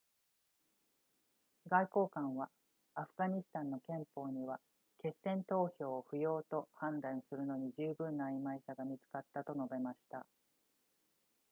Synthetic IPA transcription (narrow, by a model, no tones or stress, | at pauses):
ɡaiko̞ːkãɰ̃βaː | ɸɯ̟ɡaɲ̟isɨ̥t̪ãnːo̞kẽ̞mpo̞ːɲ̟iβa | ke̞sːẽ̞nt̪o̞ːço̞ːɸɯ̟jo̞ːt̪o̞hãnd̪ãɰ̃sɨɾɯ̟no̞ɲ̟iʑɨːbɯ̟̃nːaːimaisaɡamʲit͡sɨ̥kat̪ːat̪o̞no̞be̞maɕi̥t̪a̰